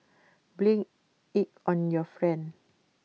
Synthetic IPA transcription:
blĩŋ | it̚ɔ̃njɔfɹɛ̃n

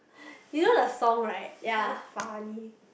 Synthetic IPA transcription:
junodəsɔ̃ŋɹaɪt̚jafani

